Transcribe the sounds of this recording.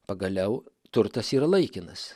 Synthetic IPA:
pɐɡɐlʲɛʊ | t̪ʊɾt̪ɐsiːɾɐlˠɐɪkʲɪnɐs

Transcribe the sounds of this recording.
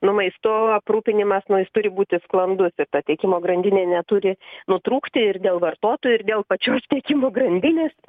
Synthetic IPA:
nʊmɐɪst̪oːɐpruːpʲɪnʲɪmɐsnʊjɪst̪ʊɾʲɪbuːt̪ʲɪsklˠɐnd̪ʊsɪrt̪ɐt̪ʲeɛkʲɪmoːɡɾɐnʲd̪ʲɪnʲeːnʲɛt̪ʊɾʲɪnʊt̪ɾuːkt̪ʲɪɪrd̪ʲeːlˠʋɐrt̪oːt̪oːjʊɪrd̪ʲeːlˠpɐt͡ʃʲoːst̪ʲeːkʲɪmoːɡɾɐnʲd̪ʲɪnʲeːs

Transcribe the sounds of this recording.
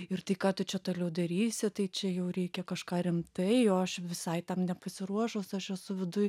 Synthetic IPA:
ɪrt̪ɐɪkɑːt̪ʊt͡ʃʲɛt̪oːlʲɛʊd̪ɐɾʲiːsʲɪt̪ɐɪt͡ʃʲɛjɛʊɾʲɛɪkʲɛkɐʃkɑːɾʲɪmt̪ɐɪoːɐʃʋʲɪsɐɪt̪ʲɛmnʲɛpɐsʲɪɾuɔʃoʊsɐʃɛsʊʋʲɪd̪ʊj

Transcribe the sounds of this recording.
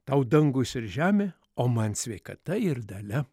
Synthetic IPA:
t̪ɐʊd̪ɐŋɡʊsɪɾʒʲæːmʲeː | oːmɐnsʲʋʲɛɪkɐt̪ɐɪɾd̪ɐlʲɛ

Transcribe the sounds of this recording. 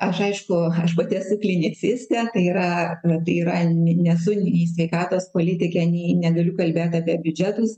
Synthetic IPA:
ɐʃɐɪʃkʊɐʃpɐt̪ʲɛsʊklʲɪnʲɪt͡sʲɪsʲt̪ʲɛt̪ɐɪiːɾɐt̪ɐɪiːɾɐnʲɛsʊnʲiːsʲʋʲɛɪkɑːt̪oːspoːlʲɪt̪ʲɪkʲɛnʲiːnʲɛɡɐlʲʊkɐlʲbʲeːt̪ɑːpʲiɛbʲʊd͡ʒʲɛt̪ʊs

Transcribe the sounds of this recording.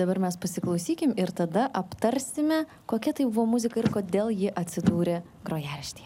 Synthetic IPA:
d̪ɐbɐɾmʲɛspɐsʲɪklˠɒʊsʲiːkʲɪmɪɾt̪ɐd̪ɐʔɐpt̪ɐɾʲsʲɪmʲɛ | koːkʲɛt̪ɐɪbʊʋoːmʊzʲɪkɐɪrkoːd̪ʲeːlˠjɪʔɐt̪ʲsʲɪd̪uːɾʲeː | ɡɾoːjæːlʲʃʲt̪ʲe̥ː

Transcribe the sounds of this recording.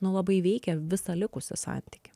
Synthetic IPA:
nʊlˠɐbɐɪʋʲɛɪkʲɛʋʲɪsɐlʲɪkʊsʲɪ̰sɑ̰nʲt̪ʲɪ̥kʲɪ̥

